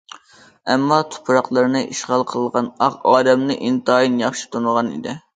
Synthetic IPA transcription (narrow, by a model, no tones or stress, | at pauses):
ɛmːɑt̪ʰu̥pʰɾɑqlˠɨɾɨnɨʔiʃʁɑlˠqʰəlˠlˠʁɑnɑʁɑːd̪ɛmnɨʔint̪ɑjinjɑχʃi̥t̪ʰunəʁɑnḭd̪ɪ